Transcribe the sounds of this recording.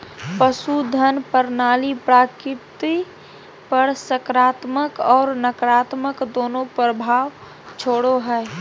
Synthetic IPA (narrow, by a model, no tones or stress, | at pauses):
pəsud̪ʱənpəɾnaːlipɾaːkɪpt̪i | pəɾsəkɾaːt̪məkɔːɾnəkɾaːt̪məkd̪oːnõpɾəbʱaːʋ | t͡ʃʰoːɽoɦɛː